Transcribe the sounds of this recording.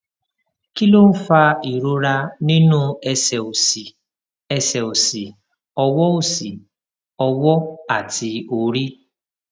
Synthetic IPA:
ki˦lo˦n̩˦fa˦i˨ɾo˦ɾa˦ni˦nu˦e˦se˨o˨si˨ | e˦sɛ˨o˨si˨ | ɔ˨wɔ˦o˦˨si˨ | ɔ˨wɔ˦a˨tɪ˨o˨ɾi˦

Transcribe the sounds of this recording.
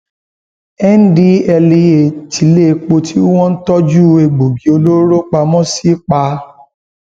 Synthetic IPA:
ɛ˦n˦di˧ɛ˧li˧e˨ti˨le˦˧k͡po˧tʰi˦w̃ɔ̃˦n̩˦tɔ˦d͡ʒu˦e˧ɡ͡bo˨bi˨˦o˧lo˦ɾo˦k͡pa˧mɔ̃˦si˨˦k͡pa˧

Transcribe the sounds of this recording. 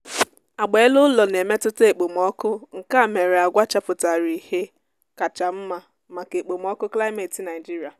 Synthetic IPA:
a˨ɡ͡be˨˦lʊ˦lɔ˨ne˨me˦tʊ˦te˨k͡po˨m˨ɔ˦kʊ˦ŋ̩˨ka˦˨me˨ɾe˨a˨ɡʷa˦t͡ʃa˨pʊ˨ta˨ɾi˨he˦ | ka˨t͡ʃa˨m̩˦ma˨ | ma˨ke˨k͡po˨m˦ɔ˦kʊ˦kla˦ɪ˦me˨ti˨na˨ɪ˨d͡ʒi˦ɾi˨a˨

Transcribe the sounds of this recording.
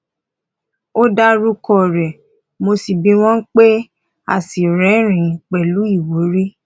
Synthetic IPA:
o˦da˦ɾu˦kɔ˦˨ɾɛ˨ | mo˧si˨bĩ˧w̃ɔ̃˦n̩˦k͡pe˦ | a̰˦˨si˨ɾɛ̃˨˦ɾ̃ĩ˨k͡pɛ˨lu˨˦i˦˨wo˨˦ɾi˦

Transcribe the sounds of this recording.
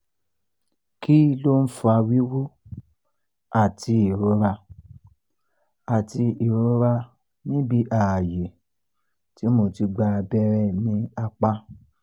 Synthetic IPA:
ki˦˧˦lo˦n̩˦fu˧a˧wi˦wu˦ | a˦˨ti˧i˨ɾo˧ɾa˧ | a˨ti˧i˨ɾo˧˦ɾa˧ | nĩ˦bi˦ʔa˦˨a˨je˨ | ti˨˦mo˧ti˧ɡ͡ba˧bɛ˦ɾɛ˦˨nĩ˨˦a˧k͡pa˦

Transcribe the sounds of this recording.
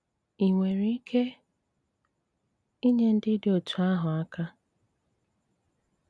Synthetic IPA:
i˨ŋʷe˨ɾi˨i˦kʰe˦ | i˦ɲe˦n̩˦dɪ˦dɪ˨o˨tʰu˨a˦ɦʊ˨a˦ka˦

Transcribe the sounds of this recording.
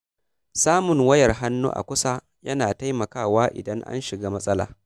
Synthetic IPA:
saː˦mʊ˨ŋwɐ˦jɐ˨rɦa˦nːṵː˦ʔa̰˨kʷʊ˦sa˦ | jɐ˦naː˨ta˦jmɐ˨kaː˦˨waː˦ʔɪ̰˨dɐ˦ŋʔa̰˦nʃɪ˨ɡaː˦mɐ˦sʼɐ˦la̰ː˨

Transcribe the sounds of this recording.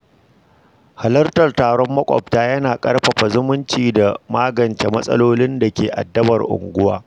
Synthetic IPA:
ha˨lɐ˦rtɐ˨rtaː˨ɽɔ˦mːɐ˦kʷʼɔ̰˨ptaː˦jɐ˦naː˨kʼɐ˦rɸɐ˨ɸa˨zʊ˦mʊ˦nt͡ʃiː˨da˨maː˦ɡɐ˨nt͡ʃe˨mɐ˦sʼɐ̰˦loː˦lɪ˦nda˨kʲeː˨ʔa̰˨dːɐ˦bɐ˨rʔʊ̰˨ŋɡʷʊ˦waː˦

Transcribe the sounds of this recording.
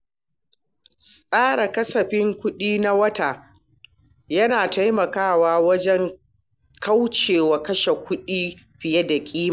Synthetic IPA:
sʼaː˦ɽa˨kɐ˦sɐ˨ɸɪ˦ŋkʷʊ˦ɗiː˦na˦wɐ˦taː˨ | jɐ˦naː˨ta˦jmɐ˨kaː˦˨waː˦wɐ˦d͡ʒɛ˦ŋ | ka˦wt͡ʃeː˨wa˨kɐ˦ʃe˨kʷʊ˦ɗiː˦ | ɸɪ˨jɐ˦da˨kʲʼiː˦m˨

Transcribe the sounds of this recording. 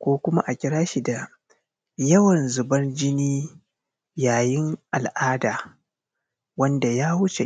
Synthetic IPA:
kʷoː˦kʷʊ˦ma˦ʔa˨kʲɪ˦ɾaː˦ʃi˨da˨ | jɐ˦wɐ˨nzʊ˨bɐ˦nd͡ʒɪ˦niː˦ | jaː˨jɪ˦ŋʔa˨lʔaː˦daː˨ | wɐ˦nda˨jaː˦hʊ˦t͡ʃḛ˨

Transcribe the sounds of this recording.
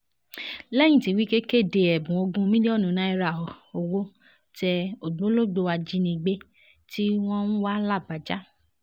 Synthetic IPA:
lɛ˦j̃ĩ˦˨ti˧˨wi˦ke˦ke˦˨de˨ɛ˨bũ˨o˧ɡũ˦mĩ˦i˦ɔ˦˨nũ˨˦nã˨˦i˧ɾa˨ɔ˨o˧wo˦ | tɛ˧o˨ɡ͡bõ˨˦lo˦˨ɡ͡bo˧wa˧d͡ʒi˦nĩ˧ɡ͡be˦ | ti˦w̃ɔ̃˦n̩˦wa˦la˦˨ba˨˦d͡ʒa˦

